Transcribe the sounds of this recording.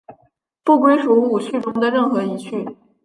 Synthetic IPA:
pu˥˩kwe˥ɪʂu˧˥u˥˩t͡ɕʰy˥˩ʈ͡ʂʊ˥ŋd̪ə˨ɻə˥˩nxɤ˧˥i˧˥t͡ɕʰy˥˩

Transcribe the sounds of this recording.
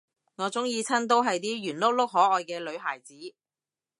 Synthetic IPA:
ŋɔː˨˧t͡sʊ˨˥ŋjiː˧t͡sʰɐ˥nt̪̬o˥wɦɐ˨jt̪iː˥jyː˨˩nlʊ˥k̚lʊ˥k̚ɦɔː˨˥ʔɔː˨jkɛː˧lɵ˨˧ɥɦaː˨˩jt͡siː˨˥

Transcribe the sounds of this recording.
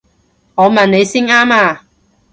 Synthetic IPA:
ŋɔː˨˧mɐ˨nne˨˧jsi˥ŋaː˥maː˧

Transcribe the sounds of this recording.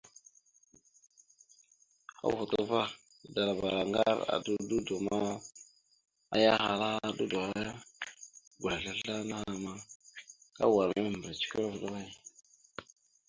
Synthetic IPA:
a̰˦vu˨tu˦va˦˨ | da˨ɾa˨ba˨ɾa˨ŋɡa˦ɾa̰˨du˦du˦du˨ma˦ | a̰˦ja˦xa˨ɾa˦du˦du˨a˦ja˦ | ɡʷa˨ɬa˦ɬa˦na˦a˦ma˨ | ka̰˦wa˨ɾa˦˨mbə˨ɾa˨t͡ʃi̥˦ka˦ɾa˦vu˨ɗa˦ɣa˦j

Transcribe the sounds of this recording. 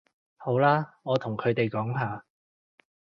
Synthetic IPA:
ho˨˥wlaː˥ŋɔː˨˧t̪ʰʊ˨˩ŋkʰɵ˨˧ɥt̪e˨jkɔː˨˥ŋɦaː˨

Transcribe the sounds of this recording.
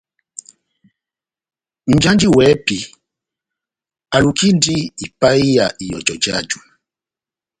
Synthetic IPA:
n̩˨d͡ʒa˦nd͡ʒi˦wɛ˨˦pi˨ | a˨lu˨ki˦ndi˦i˨pa˦i˦ja˨i˨jɔ̰˨d͡ʒɔ˨d͡ʒa̰˦d͡ʒu˨

